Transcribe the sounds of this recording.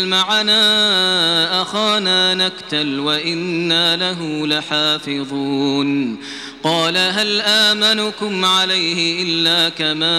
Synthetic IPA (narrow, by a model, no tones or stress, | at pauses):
lmaʕanaː | ʔaxaːnaːnakt̪alwaʔɪnːaːlaɦʊlaħaːfɪðˤuːn | qɑːlaɦalʔaːmanʊkʊmʕalajhɪʔɪlːaːkamaː